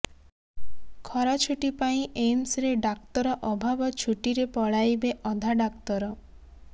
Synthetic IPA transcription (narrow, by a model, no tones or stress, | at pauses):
kʰɔɾat͡ʃʰuʈipaĩʔemsɾeɖak̚t̪ɔɾɔʔɔbʱabɔt͡ʃʰuʈiɾepɔɭajbeʔɔd̪ʱaɖakt̪ɔɾɔ